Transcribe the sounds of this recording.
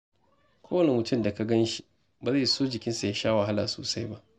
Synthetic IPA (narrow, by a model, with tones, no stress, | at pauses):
kʷʰoː˦wɐ˨ne˨mʊ˨tʊ˦˨mda˨ka˦ɡɐ˦nʃi˦ | baː˨za˦˨soː˦d͡ʒɪ˨kʲɪ˦nsa˨ja˦ʃaː˦wa˨ɦa˦la̰ː˨so̰ː˨sa˦jba˦ʔ